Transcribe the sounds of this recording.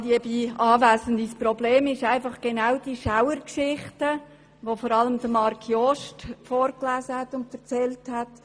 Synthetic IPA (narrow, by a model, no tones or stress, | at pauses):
diəbiːɑːvæːsən̩dispɾobleːmɪʃæɪfɑχɡ̥enaʊd̥iʃaʊəɾkʃɪχtə | ʋofɔːɾɑləmd̪əmɑɾkʰjɔʃtfɔːɾklæːsəhætʊntfɛɾt͡sɛlthæt